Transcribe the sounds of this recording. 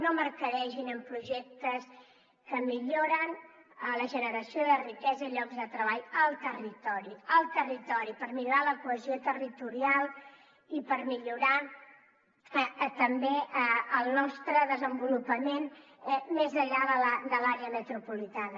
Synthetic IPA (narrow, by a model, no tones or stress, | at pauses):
nomərkəɾɛʒinəmpɾuʒɛk̚t̪əs | kəmiʎoɾən | ələʒənəɾəsioiðərikɛzəiʎɔɡzðət̪ɾəβ̞aʎəlˠt̪ərit̪ɔɾiəlˠt̪ərit̪ɔɾipəɾmiʎuɾaləkuəziot̪ərit̪uɾialˠ | ipəɾmiʎuɾa | ət̪əmbeəəlˠnɔst̪ɾəðəzəmbulupəmen | mezəʎaðələd̪əlaɾeəmət̪ɾupulit̪anə